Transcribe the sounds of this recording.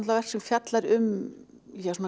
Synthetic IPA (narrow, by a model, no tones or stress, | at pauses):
t̪lavɛr̥sɪmfjat̪laɾʏm | çɛsuna